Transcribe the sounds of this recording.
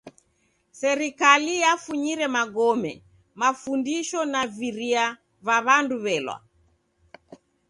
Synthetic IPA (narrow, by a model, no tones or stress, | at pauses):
sɛɾikalijafuɲiɾɛmaɡɔmɛ̰ | mafundiʃɔnaviɾia | vaβanduβɛlwa̰